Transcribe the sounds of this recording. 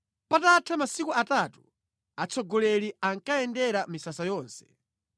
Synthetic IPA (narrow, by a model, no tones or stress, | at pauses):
pataːtʰamasikuatatu | at͡sɔɡɔlɛliaŋkaɛndɛɾamisasajɔːnsɛ̥